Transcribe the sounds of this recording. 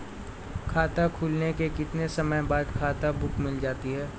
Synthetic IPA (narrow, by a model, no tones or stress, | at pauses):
kʰaːt̪akʰuːlnekekɪt̪nesɐməjbaːd̪kʰaːt̪abʊkʰmɪld͡ʒaːt̪iɦɛː